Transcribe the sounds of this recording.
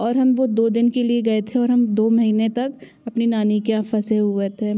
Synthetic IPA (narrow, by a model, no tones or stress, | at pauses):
ɔːɾɦɐmʋod̪oːd̪ɪnkelieɡɐet̪ʰẽɔːɾɦɐmd̪oːmɐɦiːnet̪ɐk | ɐpninaːnikeãfɐseɦuɡet̪ʰeː